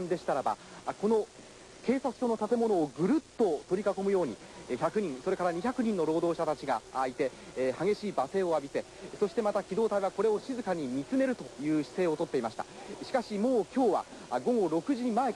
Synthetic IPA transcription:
nd̪e̞ɕi̥t̪aɾaba̰ko̞no̞ | ke̞ːsasɯ̥t̪o̞no̞t̪at̪e̞mo̞no̞ːɡɯ̟ɾɯ̟t̪ːo̞t̪o̞ɾʲikako̞mɯ̟jo̞ːɲ̟i | çʲakɯ̟ɲ̟ĩɰ̃so̞ɾe̞kaɾaɲ̟içʲakɯ̟ɲ̟ĩnːo̞ɾo̞ːd̪o̞ːɕat̪at͡ɕiɡaːit̪e̞haɡe̞ɕiːbase̞ːo̞abʲise̞ | so̞ɕi̥t̪e̞mat̪akʲid̪o̞ːt̪aiβako̞ɾe̞o̞ɕizɨkaɲ̟imʲit͡sɨne̞ɾɯ̟t̪o̞jɯ̟ːɕi̥se̞ːo̞t̪o̞t̪ːe̞imaɕi̥ḁ̰ɕi̥kaɕimo̞ːkʲo̞ːβa̰ɡo̞ɡo̞ɾo̞kɯ̟ʑiɲimae

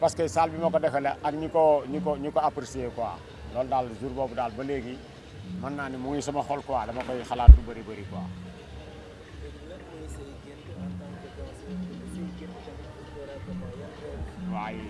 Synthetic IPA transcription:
paskesalbimɐkodɐkɐleʔakɲikoɲikoɲikoapɾsekowa̰ | loːldaːlzuɾboːbdaːlbɐleːɡi | manːaːnimuŋisɐmɐxolkɔwadɐmɐkojxalak̚tubɐɾibɐɾikɔa̰ː | waːji

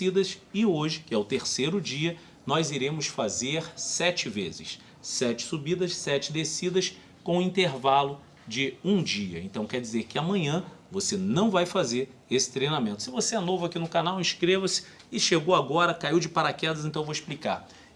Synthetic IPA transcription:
id̪ɐsɪoʒɪkɪɛʊt̪eɾsejɾʊd͡ʒiɐ | nɔjziɾẽmʊsfazeɾsɛt͡ʃɪvḛzɪ̰s | sɛt͡ʃɪ̥subid̪ɐssɛt͡ʃɪd̪esid̪ɐs | kõw̃ʊĩnt̪eɾvalʊ | d͡ʒɪũd͡ʒiɐ̰ẽnt̪ɐ̃w̃kɛd͡ʒizeɾkɪamɐ̃ɲɐ̃vosenɐ̃w̃vajfazeɾesɪ̥t̪ɾejnamẽnt̪ʊ̥sɪvoseɛnovʊakinʊkanawĩʃkɾevɐsɪ̥ | ɪʃeɡowaɡɔɾɐkaiwd͡ʒɪpaɾakɛd̪ɐzẽt̪ɐ̃w̃voisplika̰ɾ

